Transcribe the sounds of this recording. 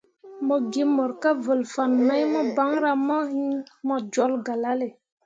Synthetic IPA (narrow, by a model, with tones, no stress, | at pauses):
mo˨ɡe˦mːo˨ɾka˦və˨lfa˨nːa˦jmɔ˦ba˨˦ŋɾa˦mɔ˦hi˦mɔ˦˨d͡ʒɔ˨˦lɡa˨la˦le˨